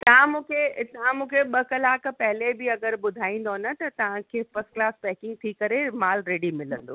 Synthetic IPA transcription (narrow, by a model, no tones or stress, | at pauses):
t̪ɐʋ̤ãmũːkʰet̪ɐʋ̤ãmũːkʰeɓɐkɐlaːkʰpɐɦɪlebɪɐɡəɾɓʊd̪ʱaːĩːn̆d̪onət̪ɐt̪ɐʋ̤ãkʰeːfɐsklaːspɛːkɪ̃ŋɡ̚t̪ʰikɐɾemaːlɾeːɽimɪlə̰̃nd̪o̰ː